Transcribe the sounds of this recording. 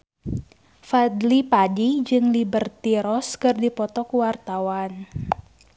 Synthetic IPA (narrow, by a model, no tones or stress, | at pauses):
fad̪lipadid͡ʒɨŋlibərt̪iɾɔskɨrdipɔt̪ɔkuwart̪awan